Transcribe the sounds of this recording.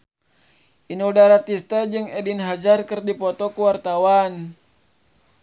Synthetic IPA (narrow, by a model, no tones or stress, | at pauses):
ʔinudaɾat̪ist̪ad͡ʒɨŋɛdinɦad͡ʒarkɨrdipɔt̪ɔkuwart̪awan